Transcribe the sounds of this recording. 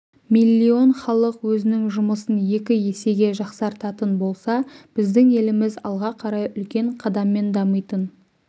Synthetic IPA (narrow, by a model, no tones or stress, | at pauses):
milʲːio̞nχɑlˠəqwɵzɪnɪŋʒʊməsənje̞kʲɪje̞se̞ɡʲe̞ʒɑqsɑɾt̪ɑt̪ənbo̞lˠsɑb̥ɪzd̪ɪŋe̞lɪmɪzɑ̰lˠʁɑqʰɑɾɑjʏlkʲe̞ɴqʰɑd̪ɑmːe̞nd̪ɑməjt̪ən